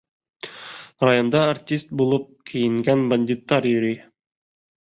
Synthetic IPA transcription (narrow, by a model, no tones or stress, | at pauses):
rɐjond̪ɑɐrtʲist̪̚bulˠɤp̚kʰɘ̆jɘ̆ŋɡænbɐnʲdʲit̪ːɑɾjɵ̆ɾi